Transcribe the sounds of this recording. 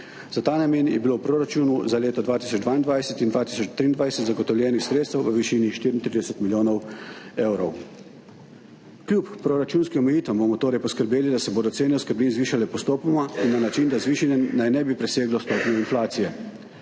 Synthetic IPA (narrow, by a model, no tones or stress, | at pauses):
zat̪aːnameːnjɛbilowpɾoːɾat͡ʃuːnuzaleːt̪ɔd̪ʋaːt̪iːsɔd͡ʒd̪ʋaːind̪ʋajsɛt̪ind̪ʋaːt̪isɔt͡ʃt̪ɾiːnd̪ʋajsɛt̪zaɡɔt̪ɔwljɛːnixsɾet̪st̪ɛwʋəʋiʃiniʃt̪iːɾint̪ɾiːd̪ɛsɛt̪miljoːnɔwewɾɔw | klʲjuppːɾoɾat͡ʃuːnskiɔmɛjiːt̪ʋɛmbomɔt̪oːɾɛjpɔskəɾbeːlid̪asɛboːd̪ɔseːnɛuskəɾbliːnzʋiːʃalɛpɔst̪oːpɔmainːanat͡ʃind̪azʋiːʃinɛnajnɛbipɾɛseːɡlɔst̪oːpnjɔinflaːt̪sijɛ